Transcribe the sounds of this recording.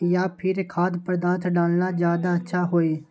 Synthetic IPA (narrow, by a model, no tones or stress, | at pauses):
jaːpʰɪɾkʰaːd̪pəɾd̪aːt̪ʰɖaːlnaːzjaːd̪aːətːʃʰaːɦoːiː